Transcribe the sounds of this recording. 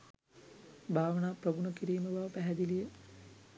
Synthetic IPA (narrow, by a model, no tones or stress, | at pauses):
bʱaːʋɐnaːprɐbuɳɐkiɾiːməʋaːʋpæɦæd̪ilijə